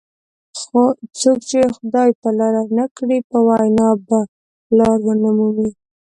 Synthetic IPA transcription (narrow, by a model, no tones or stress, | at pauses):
xot͡sokt͡ʃexʊd̪ɑjt̪alaɾanakɽipəwajnɑba | lɑɾwənamumi